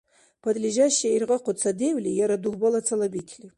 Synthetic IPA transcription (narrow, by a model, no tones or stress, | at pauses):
pʰɐd̪lʲiʒaʃːiirʁɐqʷʊt͡sʰɐdewlʲijaɾad̪uʁʷbɐlˠɐt͡sʰɐlɐbikʲʰli